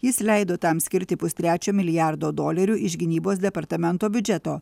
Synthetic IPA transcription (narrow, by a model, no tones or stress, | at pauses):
jɪslʲɛɪd̪oːt̪ɐmsʲkʲɪɾʲt̪ʲɪpʊsʲt̪ʲɾʲæːt͡ʃʲoːmʲɪlʲɪjɑɾd̪oːd̪oːlʲɛɾʲuːʔɪʃɡʲɪnʲiːboːsd̪ʲɛpɐɾt̪ɐmʲɛnt̪oːbʲʊd͡ʒʲɛt̪oː